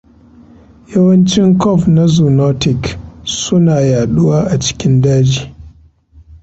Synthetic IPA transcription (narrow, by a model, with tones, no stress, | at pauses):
jɐ˦wɐ˦nt͡ʃɪ˦ŋkɔ˦˨fna˦zuː˨nɔ˦tɪ˨ksʊ˦naː˨jaː˨ɗʊ˦waː˦ʔa˨t͡ʃɪ̥˦kʲɪ˦ndaː˦d͡ʒiː˨